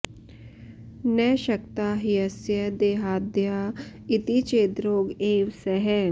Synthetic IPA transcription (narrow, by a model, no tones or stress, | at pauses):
nɛʃɐkt̪aːɦiɐsjɐd̪eːɦaːd̪jait̪it͡ʃeːt̪ɾoːɡeːʋsɛɦɛ